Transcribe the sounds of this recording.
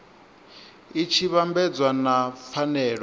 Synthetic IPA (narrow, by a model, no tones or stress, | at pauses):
it͡ʃʰiβambɛd͡zwanafanɛːɺɔ